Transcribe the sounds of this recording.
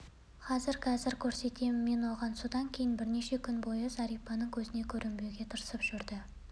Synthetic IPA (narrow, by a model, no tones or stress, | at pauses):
qʰɑzɪɾqʰɑzɪɾkʲʰɵɾse̞t̪e̞mɪmːe̞nwo̞ʁɑnsud̪ɑŋkʲʰe̞jɪnbɪɾne̞ʃe̞kʲʰʏnbo̞jəzɑɾijpɑnəŋkʲʰɵzɪne̞kʲʰɵɾʔɪmbeɡʲe̞t̪ʰəɾəsəpʒ̥ʏɾd̪ɪ